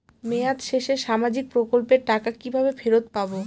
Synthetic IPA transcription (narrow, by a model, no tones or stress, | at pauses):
meat̪ʃeʃeʃamad͡ʑik̚pɾokolpeɾʈakakibʱabefeɾot̪pabo